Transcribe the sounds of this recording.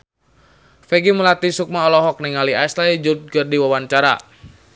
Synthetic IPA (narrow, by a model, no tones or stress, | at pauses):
fɛɡiməlat̪isuk̚maɔlɔɦɔk̚niŋaliajsaid͡ʒut̪̚kərdiwawant͡ʃaɾa̰